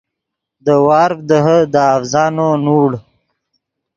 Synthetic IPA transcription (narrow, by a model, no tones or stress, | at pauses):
d̪əwɑːɾfd̪əɦəd̪əːfzɑːnonuːɽ